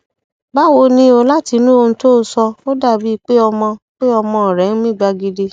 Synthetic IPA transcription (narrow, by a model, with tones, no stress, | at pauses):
ba˨˦wo˧nĩ˧o˧la˦ti˧nũ˦õ˧to˦˨˦sɔ˧o˦da˦˨bi˨˦i˦˧k͡pe˦ɔ˧mɔ̃˧k͡pe˦ɔ˧mɔ̃˧ɔ˨ɾɛ˨˦n̩˦mĩ˦˨ɡ͡ba˧ɡi˧de˧